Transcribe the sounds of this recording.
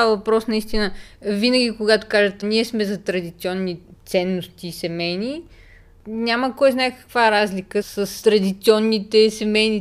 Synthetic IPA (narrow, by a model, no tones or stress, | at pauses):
avɐpɾɔsnɐist̪inəvinəɡʲikoɡat̪o̥kaʒət̪ɛniɛsmɛzɐt̪ɾɐd̪it̪siɔnːit̪sɛnːost̪iːsɛmɛjni | nʲaməkɔjznaɛkɐ̥kvaɾazlʲikəsəst̪ɾɐd̪it̪siɔnːit̪ɛsɛmɛjni